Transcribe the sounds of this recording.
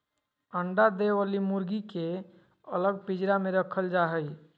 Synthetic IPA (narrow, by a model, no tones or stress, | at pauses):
əɳɖad̪eʋalimuɾɡike | ələɡ̚pid͡ʒɾameɾəkʰəld͡ʒaɦəj